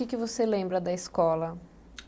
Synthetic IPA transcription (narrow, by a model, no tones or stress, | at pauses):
ɪkɪvoselẽmbɾɐd̪ɐɪskɔlɐ